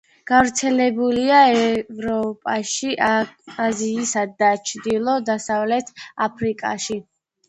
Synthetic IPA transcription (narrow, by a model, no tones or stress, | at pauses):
ɡ̥avɾt̪sʰɛlɛbuliaɛvɾɔpʼaʃiʔaziːsad̪ːat͡ʃʰd̪ilˠɔd̪asavlɛt̪ʰapʰɾikʼa̰ʃi